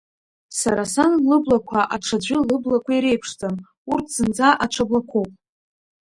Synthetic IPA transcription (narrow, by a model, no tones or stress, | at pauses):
sa̰ɾasanlɨblakʷʰaʔaʈ͡ʂʰad͡ʒʷɪlɨblakʷʰaiɾe̞jpʰʂtʰʼam | urtʰz̥ɨnd͡zaʔaʈ͡ʂʰablakʷʰowpʼ